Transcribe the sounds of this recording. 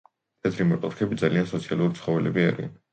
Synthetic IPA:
t̪ʰɛt̪ʰɾimɔt̪ʼɔɾkʰɛbid̪zaliansɔt̪sʰialˠuɾit̪sʰχɔvɛlɛbia̰ɾḭa̰n

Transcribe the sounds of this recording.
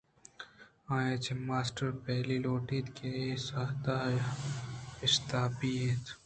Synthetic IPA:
ãːjet͡ʃʰemaːsʈəɾpɛːliloːʈiːt̪kʰeesaːt̪aːj | ɪst̪aːpiet̪

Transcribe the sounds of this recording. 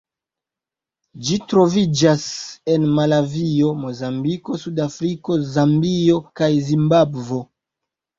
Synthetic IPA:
d͡ʒitɾo̞vid͡ʒase̞nmalavio̞mo̞zambiko̞sudafɾiko̞zambio̞kajzimbabvo̞

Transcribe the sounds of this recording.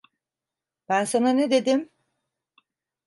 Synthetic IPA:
b̥ænsananed̪e̞d̪im

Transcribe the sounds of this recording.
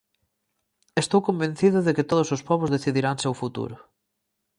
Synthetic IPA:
est̪owkombẽn̟θiðʊðekɪt̪oð̞ʊsʊspɔβʊzðeθiðiɾaŋsewfut̪ṵɾʊ

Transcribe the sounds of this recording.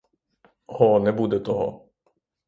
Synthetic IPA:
hɔnɛbud̪ɛt̪ɔɦɔ̰

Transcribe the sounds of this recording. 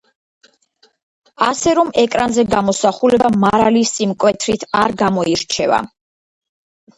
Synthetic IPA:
asɛɾɔmɛkʼɾanzɛɡamɔsaχulɛbamaɾalisimkʼwɛt̪ʰɾit̪ʰaɾɡamɔiɾt͡ʃʰɛ̰va̰

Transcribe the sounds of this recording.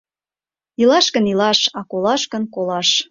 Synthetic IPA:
ilɑʃkənilɑʃɑkolɑʃkənkolɑʃ

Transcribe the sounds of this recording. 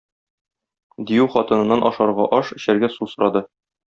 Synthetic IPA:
d̪ijʉχɒt̪ɤ̆nɤ̆nːɑnʔɒʃɑɾʁɑʔɒʃɘ̆ɕæɾɡæsusŏɾɑd̪ɤ

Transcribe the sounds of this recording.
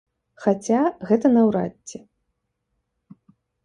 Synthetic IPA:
xat͡sʲaɣɛt̪ɐnɐwɾa̰t͡sʲːɛ

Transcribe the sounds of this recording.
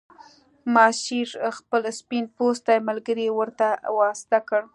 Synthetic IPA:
mɑʃiɾxpəlspinpost̪ajmalɡəɾiwəɾt̪awɑst̪akəɽ

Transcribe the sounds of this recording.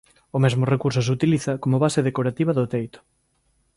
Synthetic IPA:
ʊmɛzmʊrekuɾs̬ʊs̬ut̪iliθɐkomʊβaseðekoɾat̪iβɐðʊt̪ejt̪ʊ̥

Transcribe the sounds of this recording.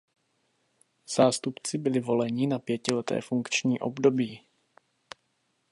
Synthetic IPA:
z̥aːst̪upt͡sɪbɪlɪvo̞lɛɲɪnapjɛcɪlɛt̪ɛ̰ːfuŋkt͡ʃɲiːʔo̞bdo̞biː

